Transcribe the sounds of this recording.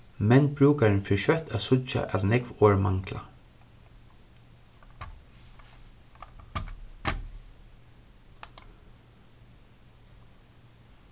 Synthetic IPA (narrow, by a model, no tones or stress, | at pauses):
mɛnbɹʉːkaɹnfɪʃœht̪ʰaːsʊt͡ʃa̰ʔɑ̰ʋnɛkʋoːɹmɑŋkla̰